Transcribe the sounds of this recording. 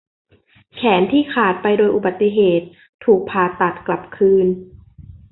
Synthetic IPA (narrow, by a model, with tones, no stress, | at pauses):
kʰɛː˩˦nt̪ʰiː˥˩kʰaː˨˩t̪̚pa˧jdoː˧jʔu˨˩ba˨˩t̪ːi˧˨ɦeː˨˩t̪̚ʰː | uː˨˩k̚pʰaː˨˩t̪ːa˨˩t̪̚kla˨˩p̚kʰɯː˧n